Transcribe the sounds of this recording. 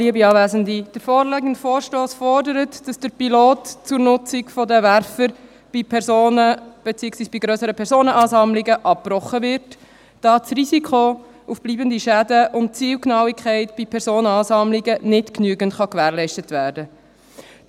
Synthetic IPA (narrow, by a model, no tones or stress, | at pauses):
liəbiɑːʋæːzəndid̥əɾfɔːɾlɛɡən̩tfoːɾʃtoːsfɔɾdəɾətd̥ɑsd̥əɾpiloːtt͡sʊɾnʊt͡sɪkfɔdəʋæɾfəɾ | b̥ipʰɛɾsoːnəb̥ɛt͡siːəksʋiːsb̥iɡɾœsəɾəpʰɛɾsoːnəʔɑːsɑmlɪɡəʔɑp̚prɔχːəvɪɾt | d̥ɑːt͡srizikʰo | ufb̥liːbəndiʃædəʔʊnt̚t͡siːlknɑwikχɛɪtb̥ipʰɛɾszoːnəɑːsɑmlɪɡənɪtknyəɡəntχɑkʋæːɾlɛɪʃtətʋæːɾdə